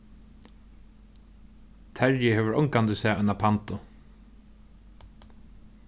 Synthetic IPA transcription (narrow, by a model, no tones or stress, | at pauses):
t̪ʰɛɹjɪɦɛːʋəɾɔŋkant̪ɪsɛːɔjnapʰant̪ʊ